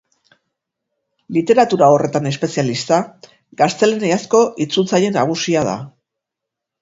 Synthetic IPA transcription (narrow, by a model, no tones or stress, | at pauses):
lit̪e̞ɾat̪uɾao̞re̞t̪ane̞spe̞sijalist̪a | ɡast̪e̞leneasko̞ʔit͡sult͡saje̞naɣ̞usiað̞a̰